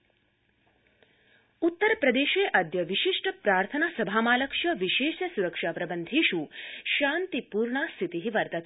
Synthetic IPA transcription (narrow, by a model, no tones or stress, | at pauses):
ut̪ːəɾpɾɐd̪eːʃeːʔɐd̪jɐʋiʃiʂʈəpɾaːɾt̪ʰɐnaːsɐbʱaːmaːlɐkʃjɐʋiʃeːʃɐsuɾɐkʂaːpɾɐbənd̪ʱiːʃuʃaːnt̪ipuːɾɳaːst̪ʰit̪iɦiʋɐɾt̪ɐt̪ʰ